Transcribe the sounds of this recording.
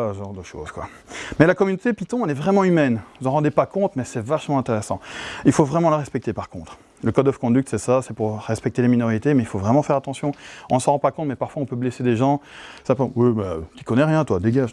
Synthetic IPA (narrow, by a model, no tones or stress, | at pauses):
aʒɑ̃ʁd̪əʃo̰ːz̥kwa̰ | mɛlakɔmynot̪epit̪ɔ̃ɛlɛvʁɛmɑ̃ymɛnvuzɑ̃ʁɑ̃d̪epakɔ̃t̪mɛsɛvaʃmɑ̃ɛ̃t̪eʁɛsɑ̃ilfovʁɛmɑ̃laʁɛspɛk̚t̪epaʁkɔ̃t̪χ | ləkɔd̪ɔfkɔ̃d̪ykt̪sɛsasɛpuʁʁɛspɛk̚t̪eleminɔʁit̪emɛilfovʁɛmɑ̃fɛʁat̪ɑ̃sjɔ̃ɔ̃nsəʁɑ̃pakɔ̃t̪mɛpaʁfwaɔ̃pøblɛsed̪eʒɑ̃sapwimɛt̪i̥kɔnɛʁjɛ̃t̪wad̪eɡaʒ